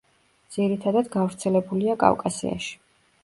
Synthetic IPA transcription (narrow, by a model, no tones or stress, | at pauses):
d̪z̥iɾit̪ʰad̪ad̪ɡavɾt̪sʰɛlɛbuliakʼa̰vkʼasḭa̰ʃi̥